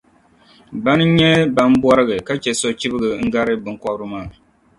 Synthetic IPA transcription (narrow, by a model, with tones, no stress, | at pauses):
ba˦nɨ˦ɲɛ˦ba˦m˦bɔ˦ɾɨ˦ɡɨ˨ka˦t͡ʃɛ˨so˦t͡ʃi˦bɨ˦ɡɨ˨ŋ̩˦ɡa˦ɾɨ˦bɨ˨ŋkɔ˦bɾɨ˦maː˦˨